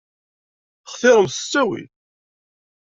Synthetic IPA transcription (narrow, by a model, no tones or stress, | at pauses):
χθɪɾˤəmsə̥t͡sːæwḭl